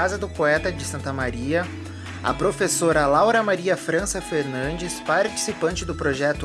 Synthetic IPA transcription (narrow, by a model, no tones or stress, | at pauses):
azɐd̪ʊpoɛt̪ɐd͡ʒɪsɐ̃nt̪ɐmaɾiɐ | ɐ̰pɾofesoɾɐlawɾɐmaɾiɐfɾɐ̃sɐfeɾnɐ̃nd͡ʒɪspaɾt͡ʃi̥sipɐ̃nt͡ʃɪd̪ʊpɾoʒɛt̪ʊ